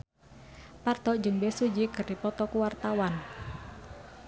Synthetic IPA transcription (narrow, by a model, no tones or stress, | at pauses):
part̪ɔd͡ʒɨŋbɛsud͡ʒikɨrdipɔt̪ɔkuwart̪awan